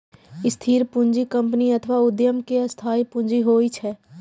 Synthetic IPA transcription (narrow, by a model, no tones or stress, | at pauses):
ɪst̪ʰiːɾpʊ̃ɲd͡ʒikə̃mpniɐt̪ʰəʋaʊd̪jəmkeɐst̪ʰaːipʊ̃ɲd͡ʒiɦoːit͡ʃʰɛː